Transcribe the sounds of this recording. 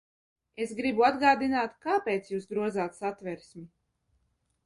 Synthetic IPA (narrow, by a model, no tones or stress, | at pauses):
e̞sɡɾibuad̪ɡaːd̪inaːt̪kaːpeːt̪sjuːsɡɾuɔd̪zaːt̪sat̪vʲɛɾsʲmʲi